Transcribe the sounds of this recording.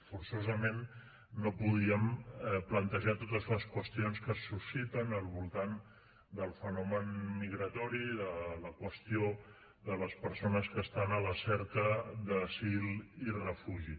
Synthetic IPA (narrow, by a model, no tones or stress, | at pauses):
fuɾsozəmenː | opuð̞iəmɛplənt̪əʒat̪ot̪əzləskwəst̪ionskəsːusit̪ənəlˠβulˠt̪an | d̪əlˠfənɔmənmiɣɾət̪ɔɾiðələkwəst̪io | ðələspəɾsonəskəst̪anələsɛɾkəðəsilirəfuʒi